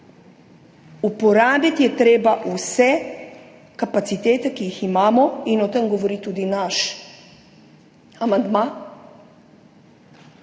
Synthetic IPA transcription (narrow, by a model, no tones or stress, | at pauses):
upɔɾaːbit̪jɛt̪ɾeːbaʔusɛ | kapat̪sit̪eːt̪ɛkijiximaːmɔinɔt̪ɛmɡoʋɔɾit̪ud̪inaʃ | amand̪ma